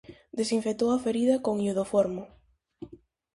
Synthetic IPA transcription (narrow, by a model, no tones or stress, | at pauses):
d̪esiɱfet̪owafeɾiðɐkoŋiuð̞ofɔɾmo